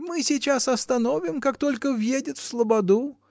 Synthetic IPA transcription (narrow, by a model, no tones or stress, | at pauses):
mɨsʲɪt͡ɕasɐst̪ɐnovʲɪmkakt̪o̞lʲkəvjedʲɪt̪fslˠəbɐd̪u